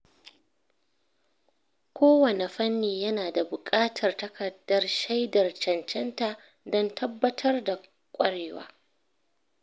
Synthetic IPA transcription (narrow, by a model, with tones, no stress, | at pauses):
kʷʰoː˦wɐ˨ne˨ɸɐ˦nːiː˨jɐ˦naː˨da˨bʊ˨kʼaː˦tʰɐ˨rtɐ˦kʰɐ˨dːɐ˦rʃa˦jdɐ˨rt͡ʃɐ˨nt͡ʃɛ˦nta˨ʔ | dɔ˦ntʰɐ˦bːɐ˦tʰɐ˦rda˨ | kʷʼɐ˦ɽeː˨wa̰ː˦